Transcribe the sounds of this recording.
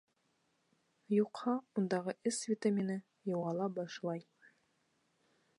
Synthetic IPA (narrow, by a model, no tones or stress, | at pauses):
juqhɑund̪ɑʁəʔɘsvʲit̪amʲinɨ | jɑwɑlˠɑbɑʃlˠɑj